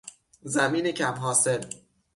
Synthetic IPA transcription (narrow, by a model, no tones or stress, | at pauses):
zæmiːnecʰæmɦɒːsel